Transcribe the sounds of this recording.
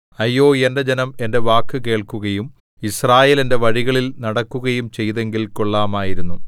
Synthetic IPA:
ɐjːo̞ːe̞nde̞d͡ʑenɐme̞nde̞ʋaːkːɨke̞ːɭkuɣɐjum | israːje̞ːle̞nde̞ʋɐɻiɣɐɭilnɐɽɐkːuɣɐjumt͡ɕe̞jðe̞ŋɡilko̞ɭːaːmaːjiɾunːu

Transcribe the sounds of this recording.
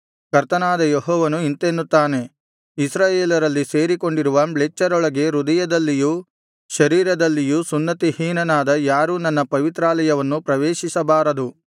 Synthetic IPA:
kɐɾt̪ɐnaːd̪ɐjeɦɔːʋɐnuint̪enːut̪ːaːne̞ | isɾaːjeːlɐɾɐlːise̞ːɾiko̞ɳɖiɾuʋɐbɭet͡ʃːɐɾɔɭɐɡe̞ɾud̪ɐjɐd̪ɐlːiju | ʃɐɾiːɾɐd̪ɐlːijusunːɐt̪ihiːnɐnaːd̪ɐjaːɾunɐnːɐpɐʋit̪ɾaːlɐjɐʋɐnːupɾɐʋeːʃisɐbaːɾɐd̪u

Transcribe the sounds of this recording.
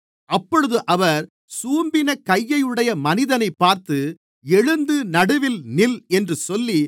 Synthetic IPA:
ʔɐpːɔɻɯðɯʔɐʋɐɾ | suːmbɪnɐkɐjːɐjɯɽɐjɐmɐnɪðɐnɐɪpːaːɾt̪ɯ | ɛɻɯnd̪ɯnɐɽɯʋɪlnɪlɛndrɯsɔlːi

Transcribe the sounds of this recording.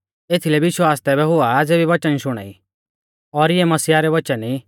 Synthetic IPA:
eːt̪ʰilɛbiʃuaːst̪ɛβɛɦʊad͡zeːbiʋɐt͡ʃənʃʊɽ̃a̰ːḭ | ɔɾɪɛmɐsiːaɾɛʋɐt͡ʃəni

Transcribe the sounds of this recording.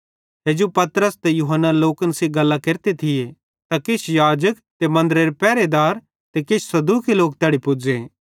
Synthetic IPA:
t̪eːd͡ʒopɐt̪ɾəst̪ejuɦənːaloːkənsiɡɐlːakeːɾt̪et̪ʰɪje | t̪akɪt͡ʃʰjaːd͡ʒək | t̪emɐ̃nd̪əɾeɾepɛːɾed̪aːɾ | t̪ekɪt͡ʃʰsɐd̪uːkiloːk̚t̪jaːɽipʊd͡ʒeː

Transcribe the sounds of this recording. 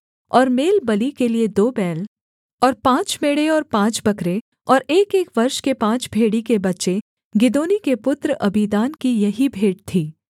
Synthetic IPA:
ɔːɾmeːlbɐlikelied̪oːbɛːl | ɔːɾpãːt͡ʃmeːɽeɔːɾpãːt͡ʃbɐkɾe | ɔːɾeːkeːkʋɐɾʃkepãːt͡ʃbʱeːɽikebɐtːʃe | ɡɪd̪oːnikepʊt̪ɾʔɐbid̪aːnkijɐɦibʱeːɖ̚t̪ʰiː

